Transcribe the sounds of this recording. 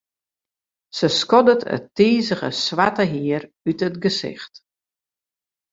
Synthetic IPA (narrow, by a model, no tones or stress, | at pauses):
səskɔdətʰə̰tːiːzəɣə̰sʋatəɦiər | ytətɡəsɪ̰xt